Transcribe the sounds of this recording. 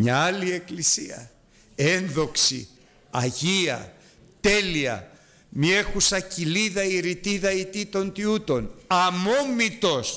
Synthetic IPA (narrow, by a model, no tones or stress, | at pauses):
ɲɐɐlie̞klisiɐ̰ | enðo̞ksḭ | ɐʝiɐ̰ | t̪e̞liɐ̰ | miexusɐciliðɐiɾit̪iðɐit̪it̪o̞nt̪iut̪o̞nɐmomit̪o̞s